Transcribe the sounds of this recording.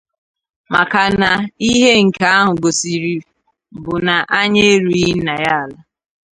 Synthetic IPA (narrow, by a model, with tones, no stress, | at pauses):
ma˨ka˨na˨i˦ɦe˦ŋ̩˨ka˦a˦ɦʊ˨ɡo˨si˨ɾi˨ | bʊ˨na˨ʔa˦ɲe˦e˦ɾu˦i˦na˨ja˦a˨la˦